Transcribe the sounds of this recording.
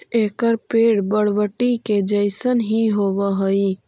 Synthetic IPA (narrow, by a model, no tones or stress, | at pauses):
ekəɾpeɽbəɽʋəʈːiked͡ʒəɪsənɦiɦobəɦəi